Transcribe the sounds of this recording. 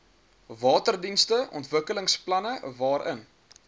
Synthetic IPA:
vɑːtərdinstəʔɔ̰ntvəkələŋsplɐnəvɑːɾʔə̰n

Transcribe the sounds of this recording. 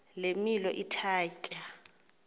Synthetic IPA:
lemilɔʔitʰaːcʼa

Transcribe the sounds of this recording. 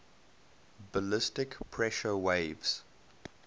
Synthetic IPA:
bəlɪstɪkpʰɹɛʃəweɪvz̥

